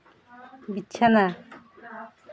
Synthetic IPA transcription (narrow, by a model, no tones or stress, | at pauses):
bitːt͡ʃʰana